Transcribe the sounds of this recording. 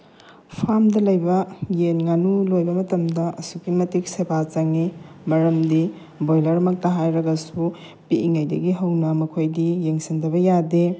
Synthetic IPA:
pʰamdɐlɐjbɐjenŋanulojbɐmɐtɐmdɐʔɐsukimɐtik̚sebʰat͡ʃɐŋimɐɾɐmdi | bojlɐɾɐmɐk̚tɐɦajɾɐɡɐsu | piiŋɐjdɐ̰ɡiɦɐwnɐmɐkʰojdijeŋsindɐβɐjade

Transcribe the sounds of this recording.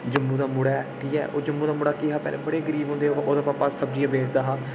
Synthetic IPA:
d͡ʒəmːũːd̪aːmʊɽaːʈʰiːɛ̰ːʔoːd͡ʒəmːũːd̪aːmʊɽaːkɪɦaːpɛ̰ːlɛ̰ːbəɽeːɡəɾiːbɦõnd̪eːoʔoːd̪aːpaːpaːsəb̚d͡ʒiːãbeːsd̪aːɦaː

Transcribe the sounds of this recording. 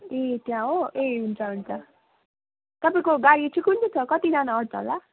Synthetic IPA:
et̪jãoʔeɦunt͡sʰʌɦunt͡sʰʌ | t̪ʌpaĩkoɡaɽit͡sʰikɦunt͡sʰʌt͡sʰʌkʌt̪id͡zanaʌɽt͡sʰʌɦo̰la

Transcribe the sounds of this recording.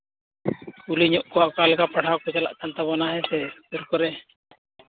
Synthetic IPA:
uliɲɔʔkɔwaʔkalɛkapaɽ̤ʰawkɔd͡ʒala̰ʔkant̪abɔnaɦɛsɛt̪əɾkɔɾɛ

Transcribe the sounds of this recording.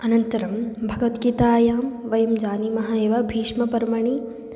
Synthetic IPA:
ɐnɐnt̪ɐɾɐmbʱɐɡʋɐt̪kit̪aːjaːmʋɐjɐmd͡ʒaːnimɐɦaːeːʋɐbʱiːʃmɐpɐɾmɐɳ̃i

